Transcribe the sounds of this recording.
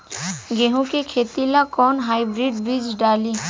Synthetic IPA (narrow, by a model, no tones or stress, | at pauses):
ɡeːɦũkekʰeːt̪ilakɔːnɦaːibɾiːɖbɾiːd͡ʒɖaːliː